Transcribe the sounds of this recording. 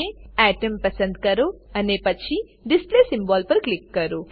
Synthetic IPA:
eɛːʈəmpɐsə̃nd̪kɐɾoɐnepɐtːt͡ʃʰi | ɖisplesimbɔːlpɐɾklikːɐɾo

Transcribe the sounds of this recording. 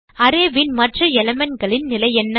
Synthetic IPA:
ɐɾeːʋɪnmɐʈrɯɛlɐmɐnɡɐɭɪnnɪlɐjɛnːɐ

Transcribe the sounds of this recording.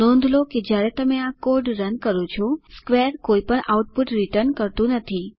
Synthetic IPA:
ɔ̃nd̪ʱloked͡ʒjaɾɛt̪əmeakoɾɖɾənkəɾõt͡ʃʰɔskʋeɾkoipəɳʔauʈ̚puʈɾiʈəɾnkəɾt̪ũnət̪ʰi

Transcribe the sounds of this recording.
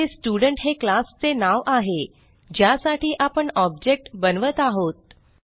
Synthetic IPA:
esʈjuɽəɳʈɦeklast͡senaʋʔaɦe | d͡ʑjasaʈiːʔapəɳɔbd͡ʑek̚ʈbənʋət̪aɦot̪̚

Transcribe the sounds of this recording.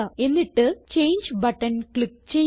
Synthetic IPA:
ɐe̞nːiʈːɨt͡ɕe̞jnd͡ʑbɐʈːɐnkɭik̚t͡ɕej

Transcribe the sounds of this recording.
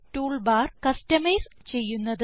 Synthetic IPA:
ʈuːɭbaːrkɐstɐmɐjst͡ɕe̞jːunːɐðɨ

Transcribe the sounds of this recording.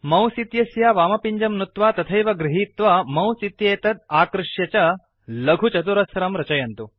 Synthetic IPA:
mɐ̃wsit̪jɐsjaːʋaːmɐpiɲd͡ʒɐmnut̪ʋaːt̪ɐt̪ʰɐjʋɐɡɾiɦiːt̪ʋɐmɐ̃wsit̪jɐjɐt̪ɐd̪̚aːkɾuʂjɐt͡ʃɐ | lɐɡʱut͡ʃɐt̪̬uɾɐsɐɾɐmɾɐt͡ʃɐjɐnt̪u

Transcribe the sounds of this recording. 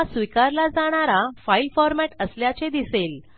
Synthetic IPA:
sʋikaɾlad͡zaɽ̃aɾafailfɔɾmæʈəsljat͡sed̪isel

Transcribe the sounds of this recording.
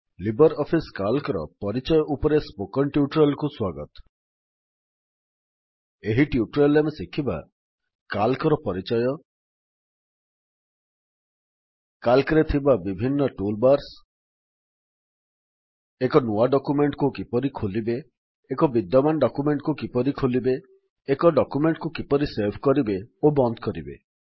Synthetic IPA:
libɔɾɔpʰiskalkɔɾɔ̰pɔɾit͡ʃɔjɔʔupɔɾespokɔnʈjuʈɾelkuswaɡɔt̪ɔ̥ | eɦiʈjuʈɾelːemesikʰiba̰ | kalkɔɾɔpɔɾit͡ʃɔjɔ | kalkiɾet̪ʰibabibʱinːɔʈulbaɾs | ekɔnuaɖɔkumeɳʈkukipɔɾikʰolibeː | kɔbid̪jɔmanɖɔkumeɳʈkukipɔɾikʰolibeː | kɔɖɔkumeɳʈkukipɔɾiseɾbʰʱkɔɾibeobɔnd̪kɔɾibḛ

